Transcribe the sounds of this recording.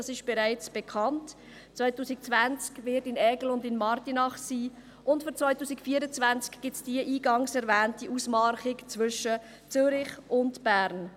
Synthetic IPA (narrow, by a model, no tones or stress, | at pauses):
ɑsɪʃb̥ɛɾaɪt͡sb̥ɛkʰɑnt | t͡svaɪtuːsɪk̚t͡svænt͡skvɪɾtɪnɛɡl̩ʊndɪnmɑrtinɑχsiː | ʔʊntfyɾt͡svaɪtuːsɪkfiːəɾət͡svænt͡skɡ̥ɪtsd̥iəʔiːɡɑŋsɛɾvɛːntiʔusmɑɾχɪkt͡svʏʃə | t͡sʏɾɪχʊntb̥æːɾn